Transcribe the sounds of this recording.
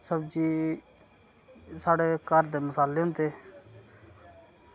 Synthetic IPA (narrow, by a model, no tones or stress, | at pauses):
səbd͡ʒiː | saːɽeːkəɾd̪eːmʊsaːleːɦʊ̃nd̪eː